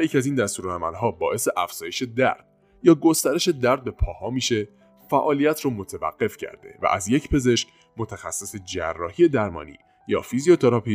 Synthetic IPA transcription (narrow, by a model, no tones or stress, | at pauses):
jecʰiæziːnd̪æst̪uːɾoæmælɦɒːbɒːʔe̞se̞ʔæfz̥ɒːje̞ʃe̞d̪æ̰ɾd̪̥̚ | jɒːɡo̞st̪æɾe̞ʃe̞d̪æɾd̪̚be̞pʰɒːhɒːmiːʃe̞ | fæʔɒːlijæt̪ʰɾɔːmot̪ʰevæ̰ɡ̥ːe̞fcʰæ̰ɾd̪e̞̰væ̰ʔæ̰zje̞cʰpʰe̞ze̞ʃc | mot̪ʰæxæsːese̞d͡ʒæ̰rːɒ̰ːhie̞d̪æɾmɒ̰ːnḭː | jɒ̰ːfizio̞t̪ʰeɾɒpʰi